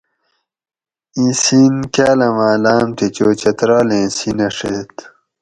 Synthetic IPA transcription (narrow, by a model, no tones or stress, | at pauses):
ĩsiːnkaːlɐmaːlaːmt̪et͡ɕoːt͡ɕɐt̪ɾaːlẽːsinɐʂḛt̪